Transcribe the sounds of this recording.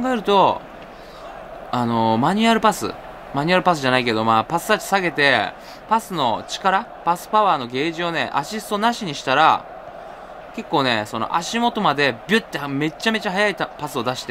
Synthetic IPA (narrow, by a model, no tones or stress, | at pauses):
kkãŋɡae̞ɾɯ̟t̪o̞ | ano̞maɲ̟iaɾɯ̟pasɨ̰ | maɲ̟iaɾɯ̟pasɨʑanaike̞d̪o̞maːpasɨ̥t̪at͡ɕi̥saɡe̞t̪e̞ | pasɨno̞̰t͡ɕi̥kaɾa | pasɨ̥paβaːno̞ɡe̞ːʑio̞ne̞̰ʔa̰ɕisɨ̥t̪o̞naɕiɲ̟iɕi̥t̪aɾa̰ | ke̞kːo̞ːne̞̰so̞no̞̰ʔa̰ɕimo̞t̪o̞mad̪e̞bʲɨt̪ːe̞me̞t͡ɕːame̞t͡ɕaɦajait̪pasɨo̞d̪aɕi̥t̪e